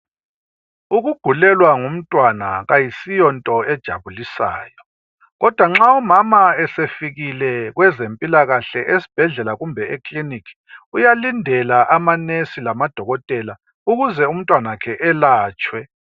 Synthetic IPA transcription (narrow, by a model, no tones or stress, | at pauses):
uɣuɡ̥ʱulɛlwaŋum̩tʼwanaɣajisijɔntʼɔɛd̥ʒ̥ʱa̰βulisa̰ːjɔ | ɣɔd̥ʱwaŋ͡ǁaɔmamaɛsefiɣilɛɣwɛzempʼilaɣaɬɛʔesi̥b̥ʱɛɮɛlaɣumbʱɛekʼlinikʰi̥ujalindʱɛlaʔamanesilamad̥ʱɔɣɔtʼɛla | uɣuzɛum̩tʼwanakʰɛʔɛlaːt͡ʃʼwɛ